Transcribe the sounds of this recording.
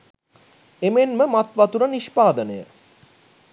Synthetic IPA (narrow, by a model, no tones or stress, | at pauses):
emenməmat̪ʋat̪uɾaniʃpaːd̪ənəjə̰